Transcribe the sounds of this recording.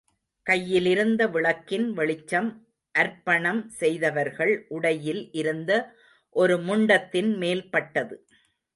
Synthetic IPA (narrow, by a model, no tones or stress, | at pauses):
kɐjːɪlɪɾɯnd̪ɐʋɪɭɐkːɪnʋɛɭɪt͡ʃːɐm | ʔɐɾpːɐɳɐmsɛjðɐʋɐɾɣɐɭʔʊɽɐjɪlʔɪɾɯnd̪ɐ | ʔɔɾɯmʊɳɖɐt̪ːɪnmeːlpɐʈːɐðɯ